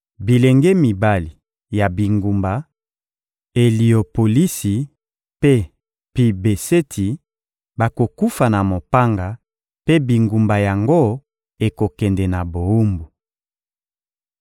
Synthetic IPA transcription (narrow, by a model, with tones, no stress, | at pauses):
bi˨lɛ˨ŋɡɛ˦mi˨ba˦li˨ | ja˨bi˨ŋɡu˨mba˨ | e˨li˨o˨po˨li˦si˨ | pe˦ | pi˨be˨se˦tʰi˨ | ba˨ko˨ku˦fa˨na˨mo˨pa˦ŋɡa˨ | pe˦bi˨ŋɡu˨mba˨ja˨ŋɡo˦ | e˨ko˨kɛ˨ndɛ˨na˨bo˨u˦mbu˨